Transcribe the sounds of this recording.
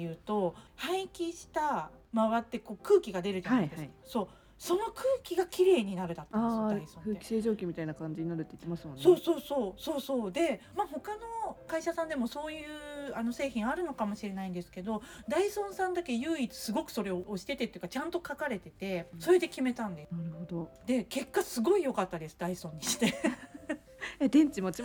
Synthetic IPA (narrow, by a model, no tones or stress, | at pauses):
jɯ̟ːt̪o̞hãɰ̃ikʲiɕi̥t̪a | maβat̪ːe̞ko̞ːkɯ̟ːkʲiɡad̪e̞ɾɯ̟d͡ʑaaiid̪eskso̞ː | so̞no̞kʰɯ̟ːkʲiɡakʲʰiɾe̞ːɲ̟inaɾɯ̟d̪at̪ːanːesd̪aisõnɯ̟ːeki̥seːʑo̞ːkʲimʲit̪ainakãɲd͡ʑiɲ̟inaɾɯ̟t̪ːeit̪ːemasɨmonso̞ːso̞ːso̞ːsoːso̞ːd̪e̞maːho̞kano̞kaiɕasãnd̪e̞mo̞so̞ːjɯ̟ːano̞se̞ːçĩɰ̃aɾɯ̟no̞kamo̞ɕiɾe̞naĩnd̪e̞sɨ̥ke̞d̪o̞d̪aisõ̞ɰ̃sãnd̪ake̞jɯ̟ːit͡sɨ̥sɨɡo̞kɯ̟̥so̞ɾe̞oːɕi̥t̪e̞t̪e̞t̪ːeiɯ̟kat͡ɕãnt̪o̞kakaɾe̞t̪e̞t̪e̞so̞ɾe̞d̪e̞kʲime̞t̪ãnd̪enaɾɯ̟hod̪od̪̥e̞ke̞kːasɨɡo̞ijo̞kat̪ːad̪e̞sɨd̪aisõɲ̟ːiɕi̥t̪e̞ | ed̪ẽ̞ɲt͡ɕimot͡ɕi